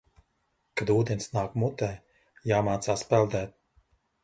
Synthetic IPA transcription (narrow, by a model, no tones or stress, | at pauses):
kad̪uːd̪ɛnsnaːkmut̪ɛː | jaːmaːt̪saːspɛlˠd̪ɛːt̪̚